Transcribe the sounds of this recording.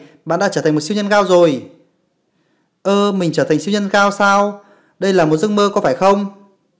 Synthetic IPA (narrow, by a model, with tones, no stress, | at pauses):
ɓa̰ː˧˨nɗa̰˧˥t͡ɕəː˧˩˨ŋmo˨˩si˧wɲə˧nɣaː˧wzo˨˩j | ʔəː˧˩mï˨˩ŋ̟t͡ɕəː˧˩t̪ʰa˨˩ŋ̟si˧wɲə˧nɣaː˧wsaː˧w | ɗə˧jlaː˨˩mo˨˩t̚zə˧ŋməː˧kɔ˨˦faː˧˩jxə˧wŋ͡m